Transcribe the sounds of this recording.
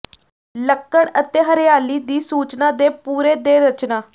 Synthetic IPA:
ləkːəɽət̪eɦəɾjaːliːd̪iːsuːt͡ʃnaːd̪eːpuːɾeːd̪eːɾət͡ʃnaː

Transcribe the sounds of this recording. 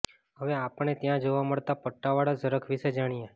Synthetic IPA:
ɦəʋeapəɽ̃et̪jãd͡ʒoʋaməɭt̪apəʈːaʋaɽazəɾəkʰʋiʃed͡ʒaɽ̃ije

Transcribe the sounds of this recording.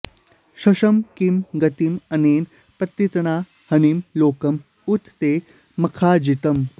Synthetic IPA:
ʃɐʃɐmkimɡɐt̪imɐneːn | pɐt̪ːit̪ɐnaː | hɐnimloːkɐm | ut̪ʰːeː | mɐkʰaːd͡ʒit̪ɐm

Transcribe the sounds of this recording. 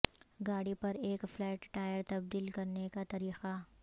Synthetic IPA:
ɡaːɽipɐɾeːkflɛːʈʈaːjəɾt̪ɐb̚d̪iːlkɐɾnekat̪ɐɾiːqa

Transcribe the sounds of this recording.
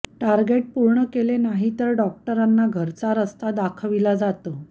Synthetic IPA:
ʈaɾɡeʈ̚puɾɳəkelenaɦit̪əɾɖɔk̚ʈəɾanːaɡʱəɾt͡saɾəst̪ad̪akʰʋilad͡zat̪ə

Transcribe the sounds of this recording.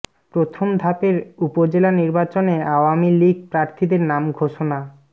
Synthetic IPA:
pɾot̪ʰomd̪ʱapeɾupod͡ʑelaniɾbat͡ɕoneaoamiliɡ̚pɾaɾt̪ʰid̪eɾnamɡʱoʃona

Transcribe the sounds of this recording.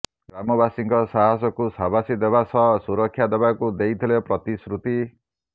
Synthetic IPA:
ɡɾamɔbasiŋkɔsaɦasɔkusabasid̪ebasʰʌsuɾɔkʰːjad̪ebakud̪ejt̪ʰelepɾʌt̪isɾut̪i

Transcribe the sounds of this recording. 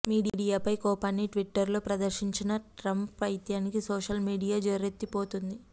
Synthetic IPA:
miːɽiɽijaːpɐjkɔːpaːnːiʈʋiʈːɐɾloːpɾɐd̪ɐɾʃiɲt͡ʃinɐʈɾɐmpɐjt̪jaːnikisoːʃɐlmiːɖijaːd͡ʒɐɾet̪ːipoːt̪und̪i

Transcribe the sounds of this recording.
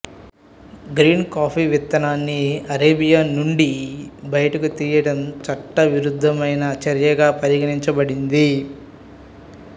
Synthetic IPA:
ɡɾiːnkaːpʰiʋit̪ːɐnaːnːiɐɾeːbijaːnuɳɖibɐjɐʈɐkut̪iːjɐɽɐmt͡ʃɐʈːɐʋiɾud̪ʱːɐmɐjnɐt͡ʃɐɾjɐɡaːpɐɾiɡɐniɲt͡ʃɐbɐɽind̪i

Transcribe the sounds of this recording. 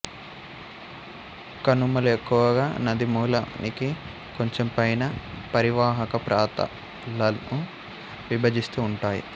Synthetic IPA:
kɐnumɐluekːuʋɐɡaːnɐd̪imuːlɐ̰nʔiki | ko̞ɲt͡ʃe̞mpɐjnɐpɐɾiʋaːɦɐkɐpɾaːt̪ɐ̰ | lɐnu | ʋibʱɐd͡ʒ̪ist̪uːɳʈaːjḭ

